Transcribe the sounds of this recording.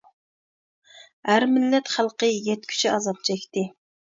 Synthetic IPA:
hæɾmɪlːɛt̪χælˠqəjɛt̪̚kʲʰy̥t͡ʃiɑzɑp̚t͡ʃʰɛkʲt̪ɪ

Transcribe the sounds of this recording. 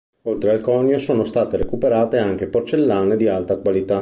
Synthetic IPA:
olt̪ɾealkɔːnjosoːnost̪aːt̪eɾekupeɾaːt̪eaŋk̟eport͡ʃelːaːned̪ialt̪akwalit̪a

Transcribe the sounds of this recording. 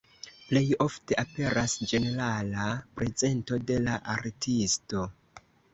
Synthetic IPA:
ple̞jo̞fte̞ʔape̞ɾasd͡ʒe̞ne̞ɾalapɾe̞ze̞nto̞de̞laʔaɾtisto̞

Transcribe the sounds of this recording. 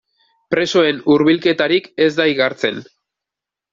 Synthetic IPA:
pɾe̞so̞e̞nuɾβilke̞t̪aɾike̞zd̪ajɣaɾt͡se̞̰n

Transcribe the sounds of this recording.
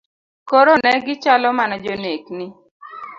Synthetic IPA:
koɾonɛɡɪt͡ʃalɔmanɔd͡ʒoneknɪ

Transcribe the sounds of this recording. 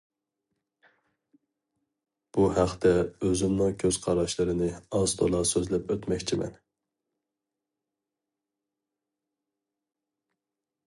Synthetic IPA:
b̥uhæqt̪ɛøzɪmnɪŋkʲʰøz̥qʰɑɾɑʃlˠɨɾɪnɪɑz̥t̪ʰo̰lˠɑsøzlɛpøt̪mɛkʲt͡ʃʰimɛ̰n

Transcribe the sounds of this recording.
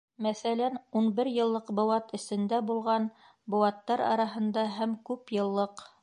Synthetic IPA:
mæθælænunbɘɾjɤ̆lˠːɤqbŏwɑt̪ɘ̆sɘ̆nd̪æbulˠʁɑn | bŏwɑt̪ːɑɾɑ̰ɾɑɦɤ̆nd̪ɑɦæmkʉpjɤ̆lˠːɤq

